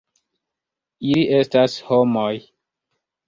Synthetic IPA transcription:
iliʔestashomoj

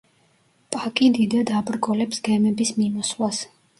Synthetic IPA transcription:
pʼakʼid̪id̪ad̪abɾɡɔlɛpsɡɛmɛbismimɔslas

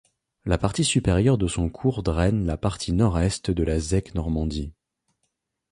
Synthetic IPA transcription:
lapaʁt̪isypeʁjœʁd̪əsɔ̃kʰuʁd̪ʁɛnlapaʁt̪ʰinɔʁɛst̪d̪əlazɛknɔʁmɑ̃d̪i

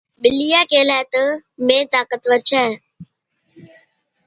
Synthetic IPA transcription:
ɓɪlijaːkeːlaːt̪əmẽːt̪aːkət̪ʋəɾt͡ʃʰɛː

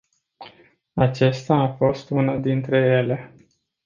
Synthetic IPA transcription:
at͡ʃest̪aːfo̞st̪unad̪int̪ɾe̞je̞le̞

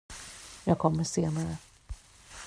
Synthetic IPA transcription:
jɑːɡ̚kʰɔmːəʂeːnaɾə

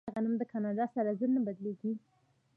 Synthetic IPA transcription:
aɣanumd̪əkʰɑnɑd̪ɑsaɾazənabad̪leɡi

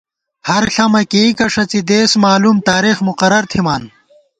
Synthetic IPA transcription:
hɐɾɬɐmɐkekɐʂɐt͡sid̪eːsmaːluːmt̪aːɾixmuqɐɾɐɾt̪ʰimaːn

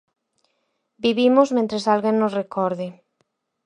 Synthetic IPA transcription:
biβimozmẽnt̪ɾesalɣenːosrekʰɔɾðɪ

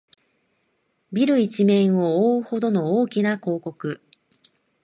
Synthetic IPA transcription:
bʲiɾɯ̟it͡ɕimẽ̞ɰ̃ooːɯho̞d̪o̞no̞oːkʲinako̞ːko̞kɯ̟

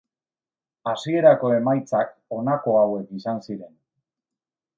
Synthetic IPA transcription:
asie̞ɾako̞e̞majt͡sako̞nako̞awe̞kisansiɾe̞n

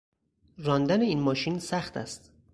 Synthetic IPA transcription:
ɾɒːnd̪æneiːnmɒːʃinsæxt̪ʰæ̰st̪

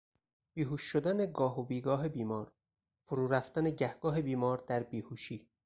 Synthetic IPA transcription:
b̥iːɦuːʃːod̪æne̞ɡɒːɦobiːɡɒːɦebiːmɒːɾ | foɾuːɾæft̪æneɟæhɡ̥ɒːɦe̞biːmɒːɾd̪æɾbiːhuːʃiː

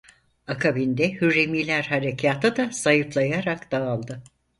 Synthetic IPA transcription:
akʰabind̪ɛhyɾemilʲæɾhaɾecʰaːt̪ʰɯd̪asajɯflˠajaɾakd̪̥aːlˠd̪ɯ

